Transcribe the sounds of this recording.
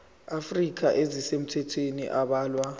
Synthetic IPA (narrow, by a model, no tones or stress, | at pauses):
afrik̬ʰʼaʔezisem̩tʰɛtʰwenḭʔaɓaːlwa